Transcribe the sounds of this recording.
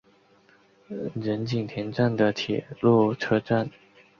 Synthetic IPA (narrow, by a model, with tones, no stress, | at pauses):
ɻə˧˥nt͡ɕi˨˩ŋt̪ʰjɛ˧˥nʈ͡ʂa˥˩nd̪ə˩t̪ʰjɛ˨˩lu˥˩ʈ͡ʂʰɤ˥˧ʈ͡ʂa˥˩n